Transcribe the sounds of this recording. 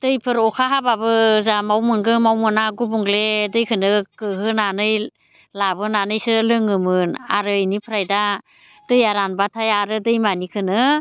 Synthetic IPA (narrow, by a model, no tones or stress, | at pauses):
d̥ɯjpʰɯɾɔkʰaɦababɯzamawmɯnɡɯmawmɯnaɡubuŋledɯjkʰɯnɯkɯɦɯnanɯj | labɯnanɯjsɯlɯŋɯmɯnaɾɯinipʰɾajda | d̥ɯjaɾanbatʰajaɾɯdɯjmanikʰɯnɯ